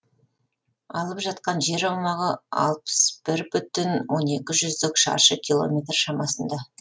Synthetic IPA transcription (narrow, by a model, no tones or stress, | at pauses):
ɑlˠəpʒɑt̪qɑnʒe̞ɾɑwmɑʁəɑ̰lˠpə̥sb̥ɪɾbʏt̪ɪnwo̞ne̞kʲɪʒʏzd̪ɪkʃɑ̰ɾʃəkʲʰilˠo̞̰mʲe̞t̪rʃɑmɑsənd̪ɑ